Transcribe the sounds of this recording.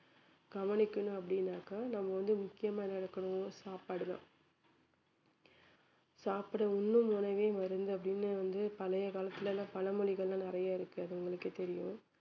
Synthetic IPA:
ɡ̥ɐʋɐnɪkːɐɳʊ̃ɐpːɐɽɪnːaːkɐnɐmːɐʋɐnd̪ɯmʊkːɪjɐmaːnɐɪɽɐkːɐɳʊ̃saːpaːɽɯðã̰ː | saːpɐɽɐʊnːɯmʊːnɐʋeːmɐɾɯnd̪ɯɐp̬ːɐɽɪnːɯʋɐnd̪ɯpɐlɐjɐkaːlɐt̪ːɪlɐlːãːpɐlɐmɔɭɪɣɐɭlãːnɪɾɐjaːɪɾɯkːɯɐðɯʊŋɡɐɭɯkːɯt̪ɛɾɪjʊ̃

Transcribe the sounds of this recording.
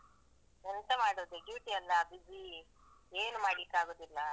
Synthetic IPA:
ɛnt̪ɐmaːɽoːd̪eɡiʋiʈiɐlːɐbid͡ʒi | eːnumaːɽlikːaːɡoːd̪ilːɐ

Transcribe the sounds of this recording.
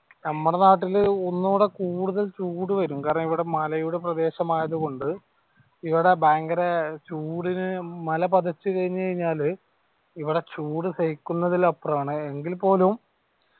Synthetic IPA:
nɐmːɐɽenaːʈ̬ːilonːuːɽe̞kuːɽuðɐlt͡ɕuːɽɨʋɐɾumkaːɾɐɳɐmiʋiɽe̞mɐlɐjuɽeprɐd̪e̞ːɕɐmaːjɐðɨko̞ɳɖɨ | iʋiɽe̞baːŋɡɐɾet͡ɕuːɽinɨmɐlɐpɐðɐt͡ɕːɨkɐɻiɲːɨkɐɻiɲːaːl | iʋiɽe̞t͡ɕuːɽɨsejikːunːɐðilɐpːɐraːɳɨe̞ŋɡilpo̞ːlum

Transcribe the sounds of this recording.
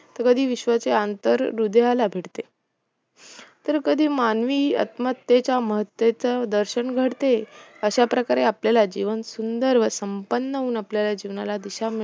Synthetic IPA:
t̪əɾkəd̪ʱiːʋiɕʋət͡seant̪əɾːud̪jalabʱeʈt̪e | t̪əɾkəd̪ʱiːmanʋiːə̰t̪mət̪jet͡ɕaməɦət̪ʋet͡sad̪əɾɕəɳɡʱəɽt̪eəɕapɾəkaɾeapljalad͡ʑiʋənsund̪əɾʋəsəmpənːəɦuːnapljalad͡ʑiʋnalad̪iɕam

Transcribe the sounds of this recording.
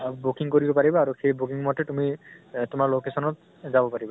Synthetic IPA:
bukiŋkoɹibɔpaɹibɔaɹuxejbukiŋmɔtɛtumitʊmaɹlokesɔnɔt̚ | zabɔpaɹiba

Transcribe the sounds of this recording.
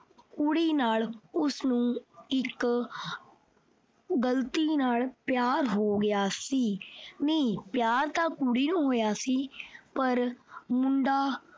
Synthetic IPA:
kuɽiːnaːlʊsnũːɪk | ɡəlt̪iːnaːlpjaːɾɦoːɡɪjaːsiːnəĩpjaːɾt̪aːkuɽiːnũːɦoːjaːsiːpəɾmʊɳɖaː

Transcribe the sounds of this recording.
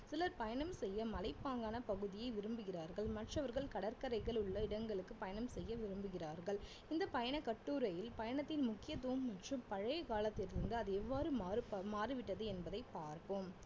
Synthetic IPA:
sɪlɐɾpɐjɐɳɐmsɛjːɐmɐlɐɪpːaːŋɡaːnɐpɐɣɯðɪjɐɪʋɪɾɯmbɯɣɪraːɾɣɐɭmɐʈrɐʋɐɾɣɐɭkɐɽɐɾkɐɾɐɪɣɐɭɯɭːɐɪɽɐŋɡɐɭɯkːɯpɐjɐnɐmsɛjːɐʋɪɾɯmbɯɣɪraːɾɣɐɭ | ɪnd̪ɐpɐjɐɳɐkɐʈːuːɾɐjɪlpɐjɐɳɐt̪ːɪnmʊkːɪjɐt̪̬ːuɯmːɐʈrɯmpɐɻɐjɐkaːlɐt̪ːɪlɪɾɯnd̪ɯɐðɯɛʋːaːɾɯmːɾɯmaːɾɯʋɪʈːɐðɯɛnbɐðɐɪpːaːɾpɯm

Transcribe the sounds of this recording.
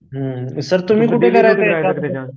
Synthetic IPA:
ɦəsəɾt̪um̤iːkuʈʰekəɾat̪eka

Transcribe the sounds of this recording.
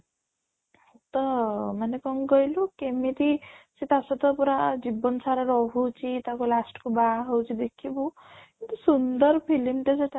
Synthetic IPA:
ɔt̪ɔmanekɔŋɡɔjlukemit̪isit̪asɔt̪ɔpuɾad͡ʒibɔnsaɾaɾɔɦut͡ʃʰit̪akolasʈkubaɦɔwt͡ʃʰid̪ekʰibu | kint̪usund̪ɔɾpʰilimʈaseʈa

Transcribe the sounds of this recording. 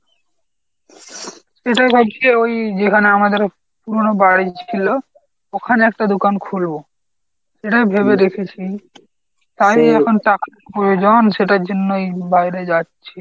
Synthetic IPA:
ʃeʈajbʰʱab̚t͡ɕʰeojd͡ʑekʰaneamad̪eɾ | puɾonobaɽit͡ɕʰilo | okʰaneɛkʈad̪okankʰulbo | ʃeʈajbʱeβed̪ekʰet͡ɕʰi | t̪ajɛkʰonʈakapɾojod͡ʑonʃeʈaɾd͡ʑonːoejbajɾed͡ʑatːɕʰe

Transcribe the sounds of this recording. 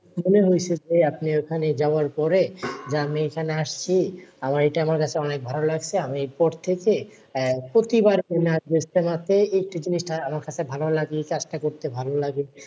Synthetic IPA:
moneɦojt͡ɕʰed͡ʑeapniokʰaned͡ʑaoaɾpɔɾed͡ʑamiekʰaneaʃt͡ɕʰiamaɾejʈaamaɾkat͡ɕʰeɔnek̚bʱalolaɡt͡ɕʰeamieɾpɔɾt̪ʰeke | pɾot̪ibaɾenabest̪emat̪ʰeek̚ʈid͡ʑiniʃʈaamaɾkat͡ɕʰebʱalolaɡikad͡ʑʈakoɾt̪ebʱalolaɡi

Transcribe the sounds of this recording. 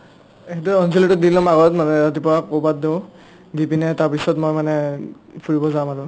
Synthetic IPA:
eɦɛtuɔnzilitʊdilɔmaɡɔtmanɛɹat̬ipɔɹakobat̚deʊ̃ | dipinɛtaɹpisɔtmojmanɛ | pʰuɹibɔzamatʊ

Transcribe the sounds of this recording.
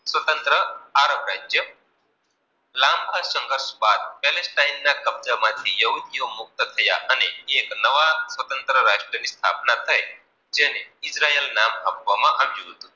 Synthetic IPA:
sʋət̪ənt̪ɾəaɾəbɾad͡ʒjə | lambʱasə̃ŋɡʱəɾsbad̪̚pɛlesʈainːakəb̚d͡zamad̪ʱʰijɐɦud̪ʱijomuk̚t̪ət̪ʰɐja̰ʔəneeknəʋasʋət̪ənt̪ɾəɾaʂʈɾənist̪ʰa̰pnat̪ʰəj | d͡ʒeneisɾaelnamɦɐbʋamaʔamjuɦot̪u

